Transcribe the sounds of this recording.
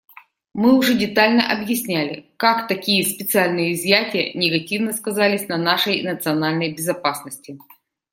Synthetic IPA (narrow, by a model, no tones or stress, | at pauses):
mɨʊʐɛdʲɪt̪alʲnəʔɐbjɪsʲnʲælʲɪ̰kakt̪ɐkʲijəspʲɪt̪sɨalʲnɨjəɪzʲjætʲɪjə̰nʲɪɡɐtʲivnəskɐzalʲɪsʲnɐnaʂəjnət̪sɨɐnalʲnəjbʲɪzɐpasnəsʲtʲɪ